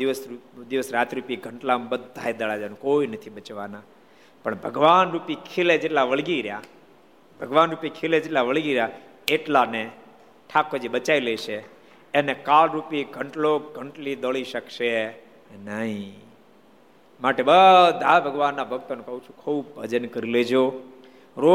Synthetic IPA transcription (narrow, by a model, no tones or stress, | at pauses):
d̪iʋəsɾud̪iʋəsɾat̪ɾupiɡʱəɳʈlambəd̪ʱːa̰ed̪əɭad͡ʒanũkoinət̪ʰiɓət͡ʃʋana | pəɳbʱəɡʋanɾupikʰeled͡ʒeʈlaʋəɭɡiɾja̰ | bʱəɡʋanɾupikʰeled͡ʒeʈlaʋəɭɡiɾja | eʈlane | ʈʰakod͡ʒiɓət͡ʃaileʃʰe | enekalɾupiɡʱəɳʈloɡʱəɳʈlid̪əɭiʃəkʃe | nəɦĩ | maʈebəd̪ʱabʱəɡʋanːabʱək̚t̪ənũkəɦũt͡ʃʰũkʰubːʱəd͡ʒənkəɾiled͡ʒo | ɾo